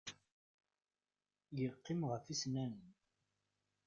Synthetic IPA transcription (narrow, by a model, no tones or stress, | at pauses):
jəqːɪmʁəfisnæn